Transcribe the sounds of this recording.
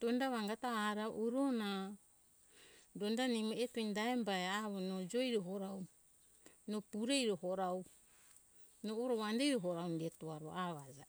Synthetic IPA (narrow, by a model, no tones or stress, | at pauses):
dondaβaŋɡataaɾaʔuɾona | dondanimoetoindaembaeaβonod͡ʒojɾoɦoɾaw | nopuɾejɾohoɾaw | noːɾoβandejɾoɦoɾawndetoaɾoaβad͡ʒa